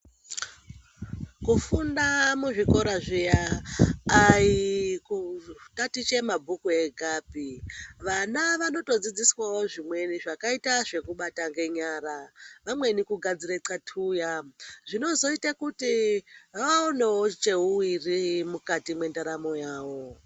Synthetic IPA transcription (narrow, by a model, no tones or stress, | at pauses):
kufundamuʐiko̞ɾaʐijaː | jikukatit͡ʃe̞mabʱukue̞ɡʱaːbʱiʋanaʋano̞to̞d͡zid͡ziswawo̞ʐimwe̞niʐakaitaʐe̞kuɓataŋɡe̞ɲaːɾaʋamwe̞nikuɡʱad͡ziɾet͡satʰuːjaʐino̞zo̞itakutiʋaʋaoneo̞t͡ʃe̞uwirimukatimwe̞ndaɾamo̞jaːwo̞